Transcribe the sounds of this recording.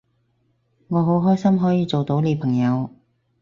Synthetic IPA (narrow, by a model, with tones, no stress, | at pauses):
ŋɔː˨˧ɦo˨˥wɦɔː˥jsɐ˥mɦɔː˨˥jiː˨˧t͡so˨wt̪o˨˥wle˨˧jpʰɐ˨˩ŋjɐ˨˧w